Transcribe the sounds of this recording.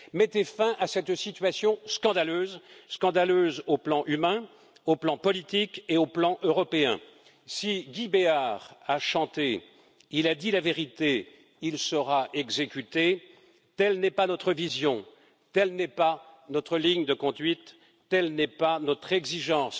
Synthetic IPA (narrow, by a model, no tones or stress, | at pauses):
mɛt̪efɛ̃ʔasɛt̪sit̪ɥasjɔ̃skɑ̃d̪aløːzskɑ̃d̪aløzoplɑ̃ʔymɛ̃ | oplɑ̃pɔlit̪ikeoplɑ̃ʔøʁɔpeɛ̰̃ | siɡʲibeaʁaʃɑ̃t̪e | ilad̪ilaveʁit̪e | ilsəʁaʔɛɡzekʲyt̪e | t̪ɛlnɛpanɔt̪χəvizjɔ̃ | t̪ɛlnɛpanɔt̪χəliɲd̪əkɔ̃d̪ɥit̪ː | ɛlnɛpanɔt̪χɛɡziʒɑ̃ːs